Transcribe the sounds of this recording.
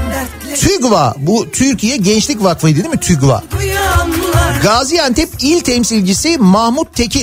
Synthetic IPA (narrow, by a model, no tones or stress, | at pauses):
t̪ʰyɡva̰but̪ʰyɾcʰijɛɟɛnt͡ʃlʲic̬vakvɯd̪ed̪imit̪ʰyɡva̰ | ɡaːzijant̪ʰɛpilʲt̪ʰɛmsilʲd͡ʒisimahmut̪ʰːecʰi